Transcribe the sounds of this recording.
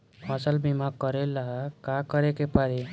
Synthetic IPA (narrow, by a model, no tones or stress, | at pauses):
hʌsəlbimaɡ̚kəɾelaɦakakəɾekepaɾe